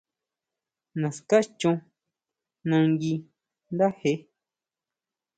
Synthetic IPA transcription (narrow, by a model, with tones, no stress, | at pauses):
nã˨ska˦t͡ʃũ˧ | nã˧ŋɡi˧ | nd̪a˦he˧˦